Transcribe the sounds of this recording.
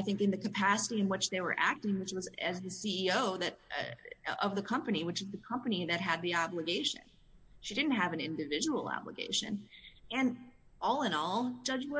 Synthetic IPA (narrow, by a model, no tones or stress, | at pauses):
aɪθɪ̃ŋkɨ̃nðɨkɨpʰæsəɾiɨ̃nwɨt͡ʃðeɪwə̰˞ʔæ̰k̚tɪ̃ŋwɨt͡ʃwʌzɨzðɨsiioʊðɨɾʌ̰ʔʌvðɨkʰʌ̃mpɨniwɨt͡ʃɨzðɨkʰʌ̃mpɨniðɨt̚ɦɨd̪̚ðiɑbləɡeɪʃɨ̰̃n | ʃidɪdⁿn̩t̚ɦɨvɨ̃nɪ̰̃ndɨvɪd͡ʒəwl̩ˠɑ̰blə̰ɡḛɪʃɨ̰̃nɨ̃n | ʔɔlˠə̃nɔl̥ˠd͡ʒ̥ʌd͡ʒwʌ